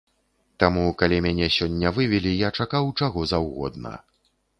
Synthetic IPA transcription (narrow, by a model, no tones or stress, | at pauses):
t̪amukalʲimʲanʲɛsʲɔnʲːɐvɨvʲɛlʲijat͡ʂakawt͡ʂaɣɔzawɣɔ̰d̪nɐ̰